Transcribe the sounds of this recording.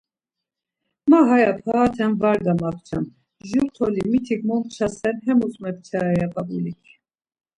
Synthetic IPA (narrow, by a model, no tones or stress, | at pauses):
maɦajapʰaat̪ʰɛmvaɾɡ̪amaχt͡ʃʰɛm | ʒuɾt̪ʰɔlimit̪ʰikmɔmt͡ʃʰasɛnɦɛmusmɛp̚t͡ʃʰaɾːjaqʼɑbulikʰi